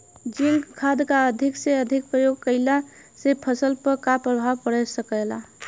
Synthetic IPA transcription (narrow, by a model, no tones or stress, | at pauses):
d͡ʒɪŋɡkʰad̪kaəd̪ʱɪkseəd̪ʱɪk̚pɾəjoɡ̚kəɪla | sepʰəsəlpəkapɾəbʱaʋpəɽɛsəkɛla